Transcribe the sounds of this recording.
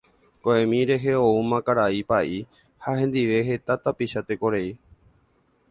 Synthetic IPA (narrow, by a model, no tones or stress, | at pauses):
koẽmĩɾe̞ɦeoumãkaɾaipaʔi | haɦẽ̞nd̪iʋe̞ɦe̞t̪at̪apiʃat̪e̞ko̞ɾei